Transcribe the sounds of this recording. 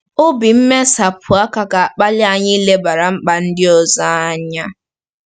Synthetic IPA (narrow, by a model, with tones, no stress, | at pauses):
ʊ˦bi˨m̩˦me˦sa˨pʰʊ˨a˦ka˨ka˨a˨k͡pa˦lɪ˦a˦˨ɲɪ˦i˦le˦ba˨ɾa˨ŋ͡m̩˦k͡pa˨n̩˦dɪ˦ɔ˨za˦a˦ɲa˦